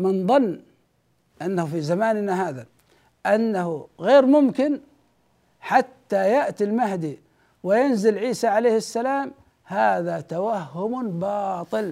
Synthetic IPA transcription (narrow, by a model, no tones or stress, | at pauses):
mɪnðˤɑnː | ʔanːahufizamaːnɪnaɦaːða | ʔanːahʊɣeːɾmʊmkɪn | ħat̪ːajaʔt̪ilmaɦd̪i | wɪjanzɪlʕiːsaʕalejːhɪsːalaːm | haːðat̪awahːʊmbɑːt̪ˤɨl